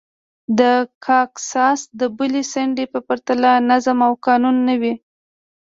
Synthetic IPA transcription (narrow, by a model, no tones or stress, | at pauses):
d̪əkʰɑksɑsd̪əbulesaɳɖepəpaɾt̪alanazamawkɑnunːəwi